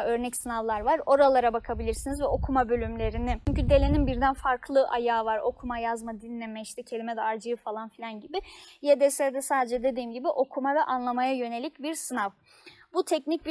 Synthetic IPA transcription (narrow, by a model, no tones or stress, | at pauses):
ø̞ɾnɛcsɯnavlˠaɾvaɾo̞ɾalˠaɾabakʰabilʲiɾsinizvɛo̞kʰumabø̞lʲymlʲe̞ɾinɪyɲcyd̪e̞lʲe̞ninbiɾd̪ænfaɾkʰlˠɯʔajaːvaɾo̞kʰumajazmad̪inːʲemɛiʃt̪ʰɛcʰe̞lʲimɛd̪ɛaɾd͡ʒɯjɯfalˠanfilʲanɟibɪjed̪ɛsed̪ɛsaːd̪e̞d͡ʒɛd̪e̞d̪iːmɟibiʔo̞kʰumavɛʔanlˠamajajø̞ne̞lʲicbiɾsɯnav | but̪ʰɛcnic̚b